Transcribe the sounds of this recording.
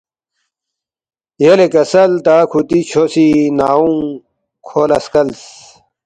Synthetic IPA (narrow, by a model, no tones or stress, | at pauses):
jelekɐsɐlt̪aːkʰut̪it͡ɕʰosinaːũŋ | kʰoːlɐskɐls